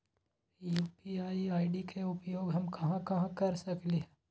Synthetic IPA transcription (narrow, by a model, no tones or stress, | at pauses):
juːpiaːiaːɪɖikʰeʊpjoːɡɦɐmkɐɦãkɐɦãkɐɾsɐkliɦɛ